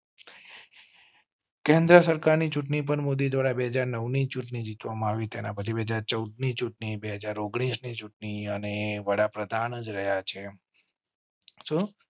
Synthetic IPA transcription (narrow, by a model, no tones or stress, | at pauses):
kẽnd̪ɾəsəɾkaɾnit͡ʃuʈɳip̬əɳmod̪id̪ʋaɽabeɦəd͡ʒaɾnəʋnit͡ʃuʈnid͡ʒit̪ʋamãaʋit̪enapət͡ʃʰibeɦəd͡ʒaɾt͡ʃəwd̪nit͡ʃuʈɳibeɦəd͡ʒaɾoɡɽ̃isnit͡ʃuʈniəneʋəɽapɾəd̪ʱanəd͡ʒɾəɦjat͡ʃʰe | ʃũ